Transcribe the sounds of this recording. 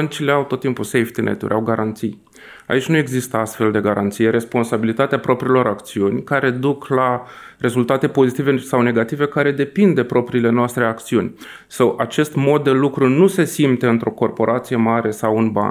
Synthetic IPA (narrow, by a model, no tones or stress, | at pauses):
bənt͡ʃile̞awt̪ot̪ːimpusejft̪inʔḛt̪ṵɾʲʔawɡaɾant̪sij | a̰it͡ʃʲnue̞ɡzist̪əast̪fe̞ld̪e̞ɡaɾant̪sijeɾe̞spo̞nsabilit̪at̪eapɾo̞pɾiːlo̞ɾakt̪siunʲkaɾe̞d̪ukla | ɾe̞zult̪at̪e̞po̞zit̪ive̞sawne̞ɡat̪ive̞kaɾe̞d̪e̞pind̪e̞pɾo̞pɾiːle̞noast̪ɾe̞akt̪siunʲ | sawʔat͡ʃe̞st̪mo̞d̪̚ːe̞lukɾunuse̞simt̪eɨnt̪ɾo̞ko̞rpo̞ɾʔat̪sije̞maɾe̞sawunba̰